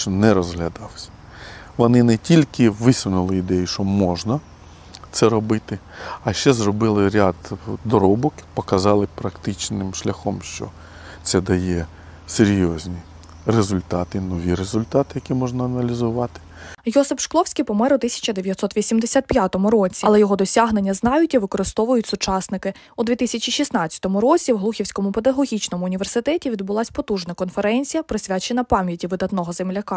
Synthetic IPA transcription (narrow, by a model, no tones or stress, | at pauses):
nɛɾɔzɦlʲɐd̪ɑwsʲɐ̥ | ʋɔnɪnɛtʲilʲkɪʋɪsʲʊnʊlˠɪid̪ɛjiʃɔmɔʒnɐ | t̪sɛɾɔbɪt̪ɪ | ɐʃt͡ʃɛzrɔbɪlˠɪɾʲad̪d̪ɔɾɔbɔkpɔkɐzɑlˠɪpɾɐkt̪ɪt͡ʃnɪmʃlʲɐxɔmʃt͡ʃɔ̰ | t̪sɛd̪ɐjɛ | seɾʲjɔzʲnʲi | rezʊlʲt̪ɑt̪ɪnɔʋʲiɾezʊlʲt̪ɑt̪ɪjɐkʲimɔʒnɐɐnɐlʲizʊʋɑt̪ɪ̥jɔsɪpʃklˠɔwsʲkijpɔmɛɾʊt̪ɪsʲɐ̥t͡ʃɐd̪eʋjɐt̪sɔt̪ʋʲisʲimd̪esʲat̪̚pʲjat̪ɔmʊɾɔt͡sʲiɐlˠɛjɔɦɔd̪ɔsʲaɦne̞nʲːɐznɑjʊtʲiʋɪkɔɾɪst̪ɔʋʊjʊtʲsʊt͡ʃɑsnɪkɪ | ud̪ʋʲit̪ɪsʲɐt͡ʃʲiʃisnɑt͡sʲɐ̥t̪ɔmʊɾɔt͡sʲiwɦlˠuxʲiwsʲkɔmʊpe̞d̪ɐɦɔɣʲit͡ʃnɔmʊːnʲiʋersɪt̪ɛtʲiʋʲid̪bʊlˠɑsʲpɔt̪uʒnɐkɔnfeɾɛnʲt͡sʲijɐpɾɔsʲʋʲat͡ʃenɐpɑmʲjɐtʲiʋɪd̪ɐt̪nɔɦɔzemlʲɐkɑ